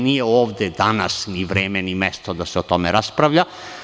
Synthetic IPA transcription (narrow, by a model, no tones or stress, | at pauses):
nijeoːʋd̪ed̪anasniʋɾeːmenimest̪od̪aseot̪omeɾaspɾaʋʎa